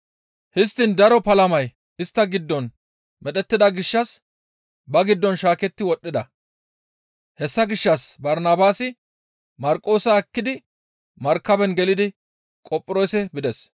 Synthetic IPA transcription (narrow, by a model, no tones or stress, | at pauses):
hɪst̪ːɪnd̪ɐɾɔpɐlɐmɐj | ɪst̪ːɐɡɪd̪ːɔn | mɛᶑ̪ɛt̪ːɪd̪ɐɡɪʃːɐs | bɐɡɪd̪ːɔnʃaːkɛt̪ːɪwɔɗːɪd̪ɐ | hɛsːɐɡɪʃːɐsbɐɾnaːbaːsɪ | mɐɾkʼo̞ːsɐɐkːɪd̪ɪ | mɐɾkːɐbɛnɡɛlɪd̪ɪ | kʼɔpʼːɪɾoːjsɛbɪd̪ɛs